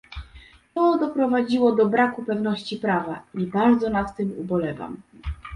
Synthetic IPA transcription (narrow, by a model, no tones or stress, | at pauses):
t̪ɔd̪ɔpɾɔvad͡ʑiwɔd̪ɔbɾakupɛvnɔɕt͡ɕipɾavaibaɾd̪zɔnat̪ːɘmubɔlɛva̰m